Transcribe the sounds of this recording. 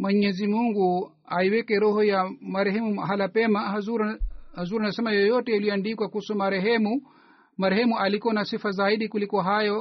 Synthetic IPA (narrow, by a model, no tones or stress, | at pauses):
mwɛɲɛzimuŋɡu | aiwɛkɛɾɔhɔjamaɾɛɦɛmuɦalapɛmaauɾhazuɾanasɛmajɔjɔtɛjulijɔandikwakusɔmaɾɛɦɛmu | maɾɛhɛmuʔalikuanasifazaiɗikulikɔɦajɔ